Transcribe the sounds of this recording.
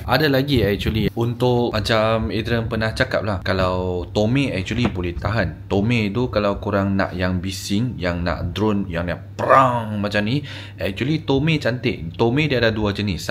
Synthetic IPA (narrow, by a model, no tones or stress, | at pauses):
ʔadalaɡiɛk̚t͡ʃuəliunt̪ʊʔmat͡ʃamid̪ɾəmpənaht͡ʃaka̰p̚lahkalawt̪omẽɛk̚t͡ʃuəlibolɛht̪aɦant̪omẽt̪ukalawkuɾaŋnã̰ʔjaŋbisiŋjaŋna̰ʔdɾonjaŋnaʔpəɾaŋmat͡ʃamni | ʔɛk̚t͡ʃuəlit̪omẽt͡ʃant̪ɪ̰ʔt̪omẽdiadaduad͡ʒənis